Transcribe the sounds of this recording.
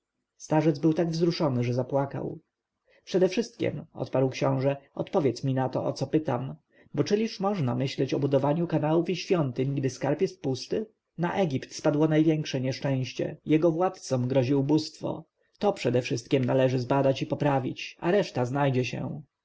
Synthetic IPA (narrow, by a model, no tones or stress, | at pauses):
st̪aʐɛd̪zbɘwt̪aɡvzɾuʂɔnɘʐɛzapwaka̰w | pʂɛd̪ɛfʂɘst̪̚kʲɛ̰mɔ̰t̪paɾwkɕɔ̃w̃ʐɛɔ̰t̪pɔvʲjɛt̪smʲinat̪ɔ̰ʔɔ̰t̪sɔpɘt̪a̰m | bɔt͡ʂɘlʲiʂmɔʐnamɘɕlɛt͡ɕɔbud̪ɔvaɲukanawufiɕfʲjɔnt̪ɘɲɡd̪ɘskaɾpjɛst̪̚pust̪ɘ | naʔɛɡʲipt̪spad̪wɔnajvʲjɛŋkʂɛɲɛʂt͡ʂɛ̃w̃ɕt͡ɕɛ̰jɛɡɔvwat̪t̪sɔmɡɾɔʑiubust̪fɔ̰ | t̪ɔpʂɛd̪ɛfʂɘst̪̚kʲɛmnalɛʐɘzbad̪at͡ɕipɔpɾavʲit͡ɕa̰ɾɛʂt̪aznajd͡ʑɛɕɛ̰